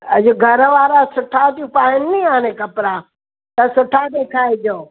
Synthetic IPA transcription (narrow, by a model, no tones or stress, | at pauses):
ɐ̰d͡ʑʊɡʱɐɾʋaːɾasʊʈʰat̪iũpaːɪnːiaːnekɐpɾaː | t̪ɐsʊʈʰad̪eːkʰaːed͡ʑoː